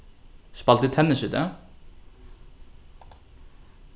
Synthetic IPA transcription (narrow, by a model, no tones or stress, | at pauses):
ʃpɑlt̪it̪ʰɛnəʃʏt̪ə